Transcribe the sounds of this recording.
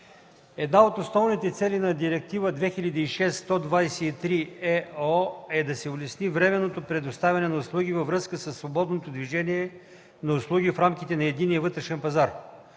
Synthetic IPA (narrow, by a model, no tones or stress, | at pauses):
ɛd̪naot̪osnɔvnit̪ɛt̪sɛlinɐd̪iɾɛk̚t̪ivəd̪vɛxilʲɐd̪iːʃɛsːt̪ɔd̪vajsɛit̪ɾiɛɔɛd̪ɐsɛʊlɛsnivɾɛmɛnːot̪opɾɛd̪ost̪avʲɐnɛnɐʊslˠuɡʲivəvɾɤskəsəsːvobɔd̪not̪od̪viʒɛniɛ | nɐʊslˠuɡʲifɾamkʲit̪ɛnɐɛd̪inijəvɤt̪ɾɛʃɛnpɐzaɾ